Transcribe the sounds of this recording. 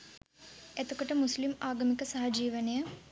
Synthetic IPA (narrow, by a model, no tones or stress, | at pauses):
et̪ukɐʈɐmuslimaːɡɐmikɐsɐɦɐd͡ʒiːʋɐnɐjɐ